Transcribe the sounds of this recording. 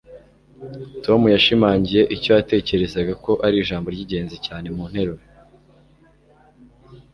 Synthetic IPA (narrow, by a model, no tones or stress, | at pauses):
to̞mujaʃimaːɲɟije̞ʔico̞jate̞ːce̞ɾe̞zaɡako̞ʔaɾiːʒaːmbo̞ɾɟiɟe̞ːnzecaːne̞muːnhe̞ɾo